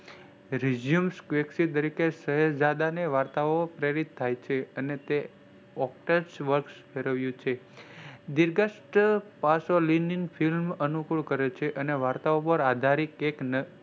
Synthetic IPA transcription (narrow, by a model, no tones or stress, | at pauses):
ɾid͡ʒijumskʋeksit̪̬əɾikesəɦəd͡ʒad̪aneʋaɾt̪aopɾeɾit̪ʰːajt͡ʃʰeənet̪e | ɔk̚ʈəɾsʋəɾksfʰeɾəʋjũt͡ʃʰe | d̪iɾɡəsʈpasolininfʰilmənukuɭkəɾet͡ʃʰeʔəneʋaɾt̪aopəɾad̪ʱaɾikeknə